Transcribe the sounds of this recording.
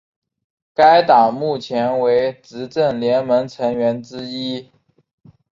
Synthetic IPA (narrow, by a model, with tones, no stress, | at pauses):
ka˥ɪt̪ɑ˨˩ŋmu˥˩t͡ɕʰjɛ˧˥nwe˧˥ɪʈ͡ʂɻ̩˧˥ʈ͡ʂə˥˩nljɛ˧˥nmə˧˥ŋʈ͡ʂʰɤ˧˥ŋɥɛ˧˥nʈ͡ʂɻ̩˥i˥